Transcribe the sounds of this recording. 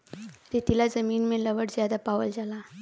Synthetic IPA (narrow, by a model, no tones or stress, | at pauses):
ɾit̪ilad͡zəmiːnmeləʋəɽd͡zjad̪apaʋəld͡zala